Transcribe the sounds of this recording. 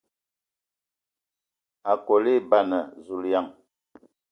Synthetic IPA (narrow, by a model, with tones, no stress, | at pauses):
a˨kɔ˨li˦˨ba˦˨nə˨zu˨lja˦˨ŋ